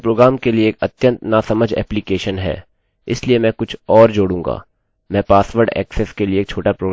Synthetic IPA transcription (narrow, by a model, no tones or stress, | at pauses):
pɾoːɡɾaːmkelieeːkɐt̪jə̃nt̪naːsɐməd͡ʒʱɛ̰ːplikeːʃənɦɛ̰ː | ɪsliemɛ̃ːkʊt͡ʃʰɔːɾd͡ʒoːɽũːŋɡa̰ː | mɛ̃ːpaːsʋəɾɖɛ̰ːkseskelieːk̚t͡ʃʰoːʈapɾoːɡ